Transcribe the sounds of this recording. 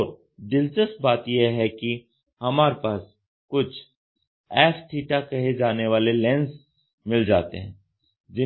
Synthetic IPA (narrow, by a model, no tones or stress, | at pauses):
ɾ | d̪ɪlt͡ʃəst̪̚baːt̪jeɦɛki | hɐmaːɾepaːs | kʊt͡ʃʰ | ɛːfʈʰiːʈakɐɦed͡ʒaːneʋaːlelɛ̃ːns | mɪld͡ʒa̰ːt̪ḛɦɛ̃ː | d͡ʒɪ